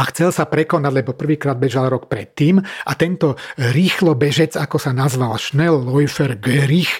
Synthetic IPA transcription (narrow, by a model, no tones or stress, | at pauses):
axt͡sɛlsapɾɛkɔnaɟʲlɛbɔpr̩ʋiːkɾaːd̪̚bɛʒalɾɔkpɾɛ̰t̪ːiːmat̪ɛnt̪ɔɾiːxlɔbɛʒɛd͡zakɔsanazʋalʃnɛlːɔjfɛɾɡɛɾix